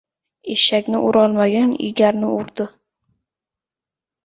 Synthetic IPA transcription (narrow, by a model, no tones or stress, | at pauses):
eʃakʲnɪʔʊɾɒlˠmaɡʲanɪ̰ɡʲaɾnɪʊɾd̪ɪ